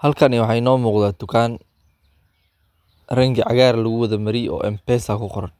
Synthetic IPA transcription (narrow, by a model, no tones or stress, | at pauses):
hɐlkʰɐnɪwɑħɑjnɔːmuːqðaːt̪ʊkʰaːn | rɐŋɡɐʕɑɣaːrlɐɣʊwɐðɐmɐɾɪjɔ̰ːʔɛmpɛsakʰʊqɔɾɐn